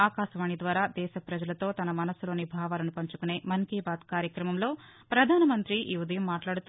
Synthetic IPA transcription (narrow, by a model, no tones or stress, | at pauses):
aːkaːʃɐʋaːɳid̪ʋaːɾaːd̪ɛːʃɐpɾɐd͡ʒɐlɐt̪o̞ːt̪ɐnɐmɐnɐsulo̞ːnibʱaːʋaːlɐnupɐɲt͡ʃu̥kune̞ːmɐŋkiːbaːd̪kaːɾjɐkɾɐmɐmlo̞ː | pɾɐd̪ʱaːnɐmɐnt̪ɾiʔḭːud̪ɐjɐmːaːʈlaːɽut̪